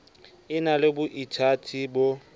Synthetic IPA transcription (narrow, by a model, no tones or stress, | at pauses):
ɪnalɪbʊʔitʰatʰibo